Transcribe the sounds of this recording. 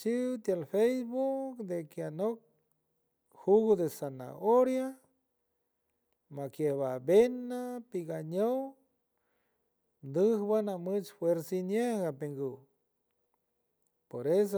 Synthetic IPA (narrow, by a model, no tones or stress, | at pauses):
t͡ʃiwt̪jalfejsbukd̪ekjanok̚ | huɡod̪esana̰ʔoɾja | makjehβabenapiɡaɲow | nd̪ɨhbanamɨt͡ʃfweɾsinjeɡapeŋɡu | poɾes̬